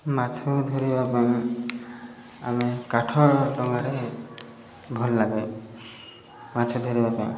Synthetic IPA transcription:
mãt͡ʃʰod̪ʱoɾibapaĩ | a̰mekaʈʰɔɾɖɔŋɡaɾe | bʱɔlːaɡe | mãt͡ʃʰod̪ʱoɾibapãĩ

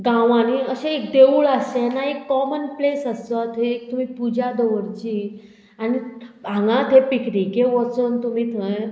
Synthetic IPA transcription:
ɡãʋãniːəɕẽːkd̪euːɭəsenaekːɔmənplesəst̪ət̪ʰeːk̚t̪um̤iːpud͡ʑad̪ɔʋəɾt͡ɕiː | anibãŋɡãt̪ʰepiknikeʋɔt͡sənt̪um̤iːt̪ʰəj

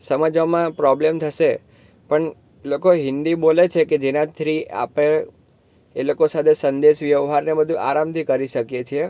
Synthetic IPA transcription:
səməd͡ʒʋamãpɾɔblemt̪ʰəʃe | pəɳ | lokoɦɪ̃nd̪ibolet͡ʃʰeked͡ʒenãt̪ʰɾia̰pe | elokosat̪ʰesənd̪eʃʋjəʋɦaɾnebəd̪ʱũʔaɾamt̪ʰikəɾiʃəkjet͡ʃʰie

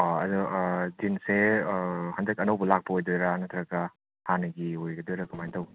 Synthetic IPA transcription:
ɔɐ̰dudinse | hɐndɐkɐnɐwbɐlak̚pɐojdojɾanɐt̪ʰɾɐkɐ | hanɐɡiojɡɐdojɾɐkɐmajtɐw

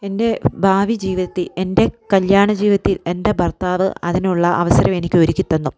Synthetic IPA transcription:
e̞nde̞bʱaːʋid͡ʑiːʋiðɐt̪ːile̞nde̞kɐljaːɳɐd͡ʑiːʋiɐt̪ːile̞nde̞bʱɐrt̪aːʋɨɐðinuɭːɐʔɐ̰ʋɐsɐɾɐme̞nikʲːoɾikʲːit̪ːɐnːu

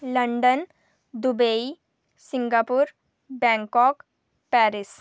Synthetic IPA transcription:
ləɳɖən | d̪ubei | siŋɡapuɾ | bɛ̃ŋkɔk | pɛɾis

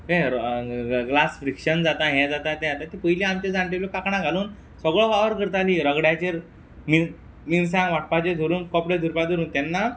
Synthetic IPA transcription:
ɦeɾɡlasfɾikɕənd͡zat̪ãɦɛ̃d͡zat̪ãt̪ɛ̃at̪ãt̪ipəjliamt͡ɕed͡zãɳʈelokakɳãɡʱaluːn | səɡɭɔʋaʋəɾkəɾt̪aliːɾəɡɽjat͡ɕeɾ | mi | mins̬ãŋɡʋaʈ̚pat͡ɕed̪ʱuɾuːnkɔpɽed̪ʱuɾpad̪ʱuɾuːnt̪ɛnːa

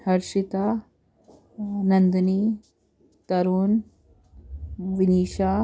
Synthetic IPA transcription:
hɐɾʃit̪a | nɐnd̪niː | t̪ɐɾoːn | ʋiniːʃa

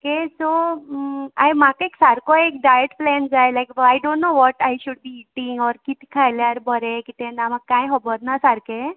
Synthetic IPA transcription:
okeso | a̰emakaeksaɾkoek̚ɖajeʈplɛnd͡zajlajkbəajɖõnːoʋɔʈajɕuɖ̚biːʈiŋɡɔɾkit̪ʰi̥kʰajljaɾbʱəɾekit̪enamaɡkːajɦɔbəɾnasaɾke

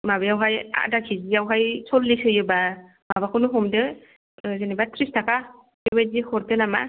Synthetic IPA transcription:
mabajawɦaja̰dakʰizijawɦajsʰɔlːisɯjɯba | mabakʰɯnuɦɔmdɯ | zɯnibatʰɾistʰaka | kɯbajzihɔɾtɯnama̰

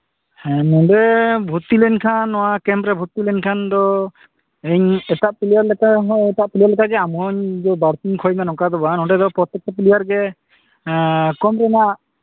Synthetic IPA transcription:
hɛ̃nɔ̃ɖɛbʱut̪ilɛnkʰanːɔwakɛmpɾɛbʱut̪ːilɛnkʰand̪ɔ | ɛɲɛt̪aʔpilijaɾlɛkaɛt̪aʔpilijaɾlɛkaɡɛamɦɔɲd̪ɔbaɾkiŋkʰɔjmɛnɔkad̪ɔbanɔɖɛd̪ɔpɾɔt̪ɛk̚t̪ɔpilijaɾɡɛ | kɔmɾɛna

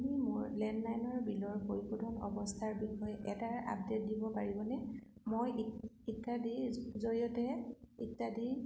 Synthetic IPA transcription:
nimʊɹlɛnlajnɔɹbilɔɹkojkudʱɔnɔ̰bɔstʰaɹbixɔjɛʔɛtaɹa̰pdet̚dibɔpaɹibɔnɛmojiktadizoɹiɔtɛḭktadi

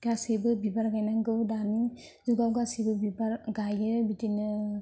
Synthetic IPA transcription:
ɡ̥asibɯbibaɾɡajnaŋɡɯdani | zuɡawɡasibɯbibaɾɡajɯbitinɯ

